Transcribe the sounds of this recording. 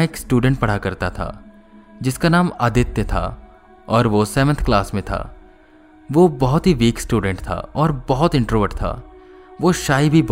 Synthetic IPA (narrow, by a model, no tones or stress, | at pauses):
eːksʈuːɖə̃ɳʈ̚pɐɽ̤akɐɾt̪at̪ʰa̰ː | d͡ʒɪskanaːməd̪ɪt̪jət̪ʰa̰ | ɔːɾʋosɛːʋə̃nt̪ʰklaːsmẽt̪ʰa̰ː | ʋobɐɦʊt̪ɦiʋiːksʈuːɖə̃ɳʈt̪ʰa̰ːɔːɾbɔɦʊt̪ɪ̃ɳʈɾoːʋəʈt̪ʰa̰ː | ʋoʃaːibʱib